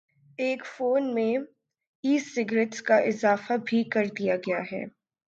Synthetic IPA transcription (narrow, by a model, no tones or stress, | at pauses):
eːkfoːnmẽ | iːsɪɡɾɪʈskaʔɪzaːfabʱikɐɾd̪ijaɡɐjaɦɛ̰ː